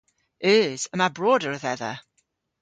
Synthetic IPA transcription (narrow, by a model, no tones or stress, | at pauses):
ɪz̥əmabroːdəɾəðɛða̰